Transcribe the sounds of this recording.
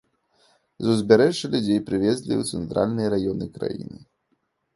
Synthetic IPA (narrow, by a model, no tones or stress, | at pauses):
zuzʲbʲɛɾɛʐːɐlʲud͡zʲejpɾɨvʲɛzʲlʲḭwt̪sɛnt̪ɾʔa̰lʲnɨjɐɾajɔnɨkɾa̰jḭnɨ